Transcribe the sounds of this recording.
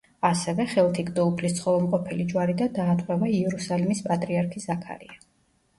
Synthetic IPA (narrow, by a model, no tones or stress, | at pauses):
asɛvɛχɛlˠt̪ʰiɡd̪ɔupʰlist̪sʰχɔvɛlˠmqʼɔpʰɛlid͡ʒwaɾid̪ad̪aːt̪ʼwɛvaiɛɾusalimispʼat̪ʼɾiaɾkʰisakʰa̰ɾḭa